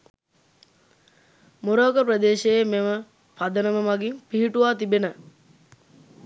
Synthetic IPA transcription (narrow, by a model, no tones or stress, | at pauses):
muɾoːkəprəd̪eːʃejememə | pad̪ənəməmaɡimpiɦiʈuʋaːt̪ibenə